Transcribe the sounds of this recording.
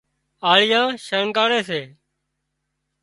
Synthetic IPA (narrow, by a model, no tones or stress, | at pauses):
aːɭɪjãːʃəɳkaːɽeːseː